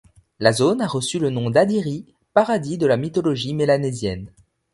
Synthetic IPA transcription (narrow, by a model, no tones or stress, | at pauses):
lazonaʁəsylənɔ̃d̪ad̪iʁi | paʁad̪id̪əlamit̪ɔlɔʒimelanɛzjɛn